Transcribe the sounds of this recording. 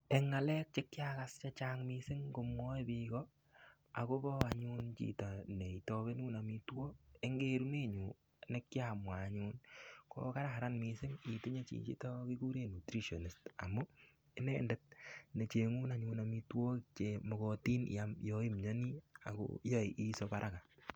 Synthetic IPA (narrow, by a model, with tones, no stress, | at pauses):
e˨ŋːa˨lɛ˦k̚t͡ʃekjakast͡ʃat͡ʃaŋmisɪ˦ŋko˧mwɔ˦ebikɔ | a̰˨ko˦bɔ˦aɲuː˦nt͡ʃḭ˨ta˨ne˨i˨to˦βe˦nuː˦na˨mitwo˦e˦ŋɡe˦ɾu˦ne˦ɲu˨ | ne˦kjamwa˨ɲuːnko̰˦ka˦ɾaɦa˨ɾa˦nmisɪ˦ŋi˨ti˦ɲe˦t͡ʃḭ˨t͡ʃḭ˦to˦kiku˦ɾe˦nu˨tɾi˦ʃo˨ni˨sta̰˨mu˦ | e˦nendɛt̚ne˨t͡ʃe˨ŋu˦na˨ɲu˧na˨mi˦two˦kɪkt͡ʃemo˨ko˦tiː˦njamjoi˦mɲɔ˦ni˦a̰˨ko̰jo˦i˨ʔi˦sopaɾʔaka˨